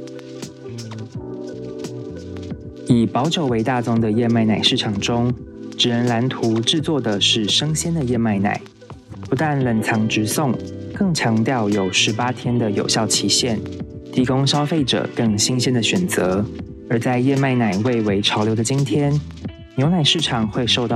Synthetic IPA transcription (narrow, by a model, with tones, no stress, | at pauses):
i˨˩pɑ˧˥ʊʂo˨˩ʊwe˧˥ɪt̪a˥˧t͡sʊ˥ŋd̪ə˨jɛ˥˧ma˥˩ɪna˨˩ɪʂɻ̩˥˩ʈ͡ʂʰɑ˨˩ŋʈ͡ʂʊ˥ŋʈ͡ʂɻ̩˨˩ɻə˧˦nla˧˥nt̪ʰu˧˥˦ʈ͡ʂɻ̩˥˧t͡swɔ˥˩d̪ə˩ʂɻ̩˥˩ʂɤ˥ŋɕjɛ˥nd̪ə˨jɛ˥˧ma˥˩ɪna̰˨˩ɪ | pu˧˥t̪a˥˩nlə˨˩ŋt͡sʰɑ˧˥ŋʈ͡ʂɻ̩˧˥sʊ˥˨ŋkɤ˥˩ŋt͡ɕʰjɑ˧˥ŋt̪jɑ˥˩ʊjo˨˩ʊʂɻ̩˧˥pa˥t̪ʰjɛ˥nd̪ə˨jo˨˩ʊɕjɑ˥˩ʊt͡ɕʰi˧˥ɕjɛ˥˩nt̪ʰi˧˥kʊ˥ŋɕjɑ˥ʊfe˥˩ɪʈ͡ʂɤ̰˨˩kɤ˥˧˩ŋɕi˥ŋɕjɛ˥nd̪ə˨˩ɕɥɛ˨˩nt͡sɤ˧˦ | ə˞˧˥t͡sa˥˧ɪjɛ˥˧ma˥˩ɪna˨˩ɪwe˥˩ɪwe˧˥ɪʈ͡ʂʰɑ˧˥ʊljo˧ʊd̪ə˧t͡ɕi˥nt̪ʰjɛ˥n | njo˧˥ʊna˨˩ɪʂɻ̩˥˩ʈ͡ʂʰɑ˨˩ŋxwe˥˧ɪʂo˥˧ʊt̪ɑ˥˨